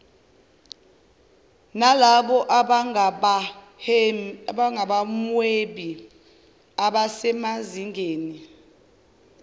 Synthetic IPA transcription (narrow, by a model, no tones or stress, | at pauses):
nalaɓɔʔa | ɓaŋʱaɓamweɓi | aɓasɛmaziŋɡʱeːni